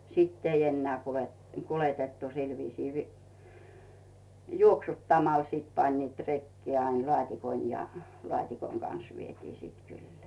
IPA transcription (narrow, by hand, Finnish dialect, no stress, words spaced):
siˑtː ei enːeæˑ kulet kuletetːu sil ʋiːsiː ʋi juoksutːɑmɑl siˑt pɑnʲniːt rekːeː ɑin lŏɑˑtʲikon jɑ lŏɑˑtʲikoŋ ɡ̊ɑns ʋietiː siːt kylːe̥æ̥